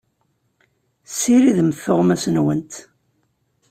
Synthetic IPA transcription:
siɾiðəmθoʁmæsənwənt̪

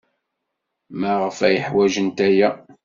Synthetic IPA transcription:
mæʁəfæjəħwæʒənt̪æjæ

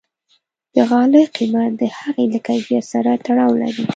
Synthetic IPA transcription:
d̪̥əɣɑləqimat̪̚d̪əhaɣeləkajbeɾsaɾat̪aɽɑwla̰ɾi

